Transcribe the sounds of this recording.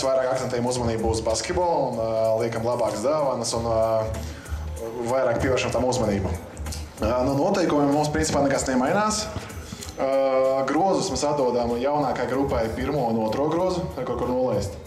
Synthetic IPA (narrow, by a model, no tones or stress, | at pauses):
svajɾaːkakt̪ent̪ɛjamuzmɐniːbuːzbaskʲet̪bɔːlˠunlˠiɛkamlˠabaːkzd̪avansun | vajɾaːk̚pʲiɛʋɛːɾʃamt̪amuzmɐniːba | nuɔnuɔt̪ɛjkumemːumspɾinsʲi̥paːnɛkasnemajnaːs | ɡɾuɔzusmesat̪d̪uɔd̪amjawnaːkajɡɾupːajpiɾmuɔunuɔt̪ɾɔɡɾuɔzʊajkoɾkuɾnuɔlˠɛjst̪